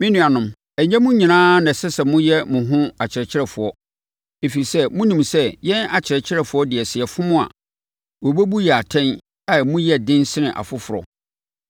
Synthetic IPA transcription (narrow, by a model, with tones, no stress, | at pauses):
mɪ̃˦nũ˨a˨nʊ̃˨m | ɛ˨ɲɛ̃˦mʊ̃˦ɲĩ˨nãː˦nɛ̃˨sɛ˦sɛ˨mʊ̃˦jɛ˦mʊ̃˨ɦʊ̃˦a˨t͡ɕʰɪ˨ɾɛ˨t͡ɕʰɪ˦ɾɛ˨fʊ˨ɔ˦ | e˨fi˨ɾi˨sɛ˦mũ˦nĩ˨msɛ˦jɛ̃˦na˨t͡ɕʰɪ˨ɾɛ˨t͡ɕʰɪ˦ɾɛ˨fʊ˨ɔ˦dɪ˨ɛ˨sɪ˨ɛ˨fʊ˦mʊ̃˦a̰˨ | wo˨bo˦bu˦jɛ˨a˨tʰɛ̃˦n | a˨mʊ̃˦jɛ˦dɪ̃˦nsɪ˦nɪ̃˨ʔa̰˨fʊ˦fʊ˨ɾɔ̰˨